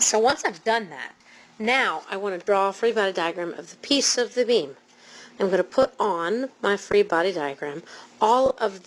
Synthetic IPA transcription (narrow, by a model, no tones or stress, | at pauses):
soʊwʌ̃nsaɪvdʌ̃nðæ̰t̚ | naʊʔa̰ɪwɑ̃nɨdɹɔəfɹibɑɾidaɪɨɡɹæ̃mʌ̰vðəpʰisʌvðɨbĩm | ãɪ̃mɡʌnɨpʰʊɾn̩maɪfɹibɑɾidaɪɨɡɹæ̃mɔlˠʌvð